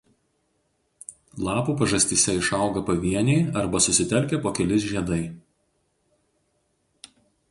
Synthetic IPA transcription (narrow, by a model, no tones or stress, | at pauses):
lˠɑːpuːpɐʒɐsʲt̪ʲɪsʲɛɪʃɐˑʊɡɐpɐʋʲiɛnʲɛɪɐɾbɐsʊsʲɪt̪ʲɛlʲˑkʲɛˑpoːkʲɛlʲɪs̬ʒʲiɛd̪ɐɪ